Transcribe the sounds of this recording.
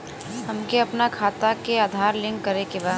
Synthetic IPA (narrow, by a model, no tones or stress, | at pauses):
ɦəmkeɐpnakʰaːt̪akeaːd̪ʱaːɾlɪ̃ŋɡkəɾekeba